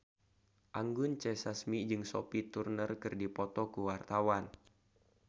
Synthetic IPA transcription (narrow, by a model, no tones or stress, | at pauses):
ʔaŋɡʊnt͡ʃɛsasmid͡ʒɨŋso̰pit̪urnərkɨrdipɔt̪ɔkuwart̪awan